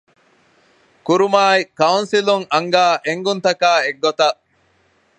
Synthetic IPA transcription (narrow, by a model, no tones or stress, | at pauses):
kuɾumaːikɐunsiluŋʔɐŋɡaːʔeŋɡunt̪ɐkaːeɡːot̪ɐ